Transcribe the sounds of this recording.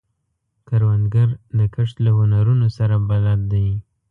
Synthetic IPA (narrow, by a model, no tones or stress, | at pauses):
kaɾwand̪ɡaɾd̪əkəʂt̪lahʊnaɾunosaɾabalat̪̚d̪aj